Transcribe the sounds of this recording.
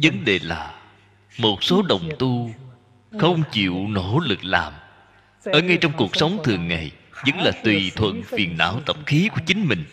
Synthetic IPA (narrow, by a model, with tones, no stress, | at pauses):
zə˨˦nɗe˨˩laː˨˩ | mo˨˩t̚so˨˦ɗə˨˩wŋ͡mt̪u˧ | xə˧wŋ͡mt͡ɕḭ˧˨wno˧˩lɨ˨˩k̚laː˨˩m | ʔəː˧˩ŋa˧jt͡ɕɔ˧wŋ͡mku˨˩ək̚sə˨˦wŋ͡mt̪ʰɨ˨˩əŋːa˨˩jzə˨˦ŋlaː˨˩t̪wi˨˩t̪ʰwə̰˧˨nfi˨˩ənːa̰ː˧˨wt̪ə˨˩p̚xi˨˦ku˧˩ət͡ɕï˨˦ŋ̟mï˨˩ŋ̟